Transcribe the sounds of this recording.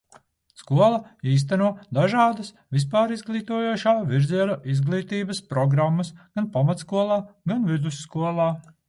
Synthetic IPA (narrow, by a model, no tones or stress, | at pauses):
skuɔlˠɐiːs̬t̪anuɔd̪aʒɑːd̪ɐs | vʲispaːɾizɡlˠiːt̪uɔjuːʃaːviɾzʲiɛnuʔizɡlˠiːt̪iːbɐspɾɔɡɾamːɐsɡ̥anpamat̪skuɔlˠaːɡanvid̪usːkuɔlˠɑː